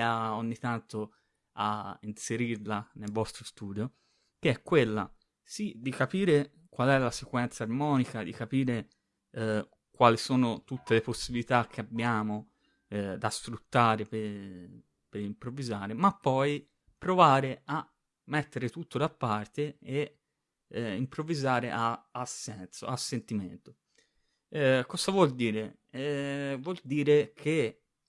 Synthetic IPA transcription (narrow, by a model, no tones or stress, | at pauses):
aoɲːit̪ant̪o | a̰inseɾirlanelvɔst̪ɾost̪uːd̪jo | k̟eɛkːwelːa̰ | sid̪ikapiːɾe | kwalɛlːasekwɛnt̪sarmɔːnikad̪ikapiːɾe | kwaːlisoːnot̪ut̪ːeleposːibilit̪ak̟ːeabjaːmo | d̪asfɾut̪ːaːɾepe | peɾimpɾovizaːɾemapːɔj | pːɾovaːɾea | mːɛt̪ːeɾet̪ut̪ːod̪apːart̪eː | impɾovizaːɾeʔaːsːɛnt̪so̰asːent̪iment̪o | kɔzavwɔld̪iːɾe | vwɔld̪iːɾekʰe